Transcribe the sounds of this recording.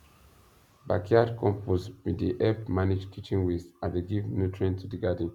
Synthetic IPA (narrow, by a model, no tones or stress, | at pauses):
ba̰kʰiadkʰɔ̃mpʰosmediʔɛpmanid͡ʒtʰit͡ʃĩŋwisãndeɡivnutʰɹɛ̃ntʰudiɡad̃n̩